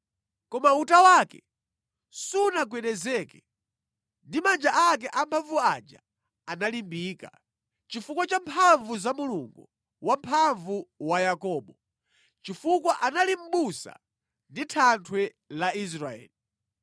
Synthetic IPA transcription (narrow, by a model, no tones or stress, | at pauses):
kɔmautawakɛ̰ | sunak̬wɛnɛzɛːkɛ | ndimand͡ʒaʔak̬ɛʔampʰaɱvuad͡ʒa̰ | analimbiːka̰ | t͡ʃifukwat͡ʃampʰaɱvuzamuluŋɡu | wampʰaɱvuwajakɔːɓɔ | t͡ʃifukwaʔanalim̩ɓusa̰ | nditʰantʰwɛ | lais̬ɾaɛ̰ːli